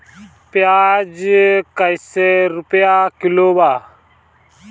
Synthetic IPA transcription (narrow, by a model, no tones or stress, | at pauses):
pjaːd͡ʒkəjseːɾʊpjaːkɪloːbaː